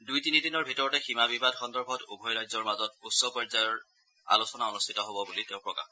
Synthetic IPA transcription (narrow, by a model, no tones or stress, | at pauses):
dujtinidinɔɹbʱitɔɹɔtɛximabibadxɔndɔɹbʱɔtṵbʱɔjɹajzɔɹmazɔt̚usːɔpɔɹzajɔɹ | a̰lusɔnaonustʰitɔɦobɔbuliteʊ̃pɹɔka̰x